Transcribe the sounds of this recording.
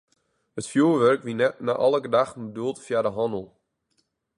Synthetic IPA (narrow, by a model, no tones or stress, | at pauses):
hətfjuːʋørkʋinɛtnaʔɔlˠəɡədaxnbəduəlˠtfjadəɦɔndəl̩ˠ